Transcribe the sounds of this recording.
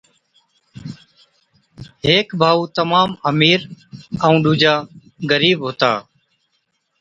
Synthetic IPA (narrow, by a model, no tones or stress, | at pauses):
ɦeːkbʱaːuːt̪əmaːməmiːɾəũːɗuːd͡ʒaː | ɡəɾiːbɦoːt̪a̰ː